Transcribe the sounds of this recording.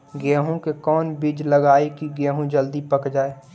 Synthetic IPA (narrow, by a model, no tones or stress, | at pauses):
ɡɛːɦõkekɔːnbid͡ʒləɡaːekiɡɛ̃ːɦõd͡ʒəld̪ipəkd͡ʒaːeː